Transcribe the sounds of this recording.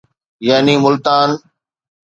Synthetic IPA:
jaːniːmʊlt̪aːn

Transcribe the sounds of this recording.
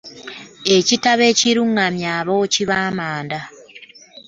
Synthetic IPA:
ecitaβe̞ciɾuŋamjaːβociβaːmaːnda

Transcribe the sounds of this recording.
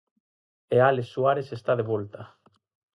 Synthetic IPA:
ealesːuaɾesest̪aðeβolt̪a

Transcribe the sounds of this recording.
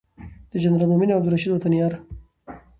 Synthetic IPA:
d̪̥əd͡ʒanɾalmominabd̪uɾaʃid̪wat̪anjɑːɾ

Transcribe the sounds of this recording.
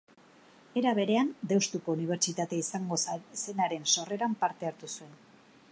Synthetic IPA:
e̞ɾaβ̞e̞ɾe̞and̪e̞wst̪uko̞uniβ̞e̞ɾt͡ʃit̪at̪e̞aisaŋɡo̞se̞naɾe̞nso̞re̞ɾampaɾt̪e̞aɾt̪usue̞n

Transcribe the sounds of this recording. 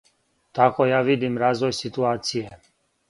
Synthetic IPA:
t̪akojaːʋid̪imɾaːzʋojsit̪uaːt̪sije

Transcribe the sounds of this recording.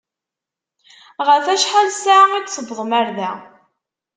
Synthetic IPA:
ʁəɾfæʃħalsaʕæɡʷθəvðˤmæɾðæ

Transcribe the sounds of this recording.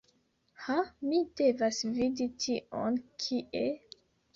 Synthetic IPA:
hamide̞vasviditʰiʔonkʰiʔe

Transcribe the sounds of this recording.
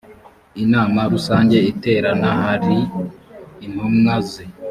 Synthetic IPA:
inaːmaɾusaːɲɟe̞ite̞ːɾanahaɾiː | n̥humŋazi

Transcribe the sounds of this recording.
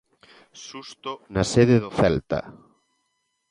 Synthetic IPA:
ʃust̪ʊnaseðeðoθɛlt̪ɐ̰

